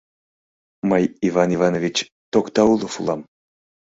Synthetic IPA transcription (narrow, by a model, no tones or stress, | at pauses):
məjivɑnivɑnovʲit͡ɕ | t̪okt̪ɑulˠofulˠɑm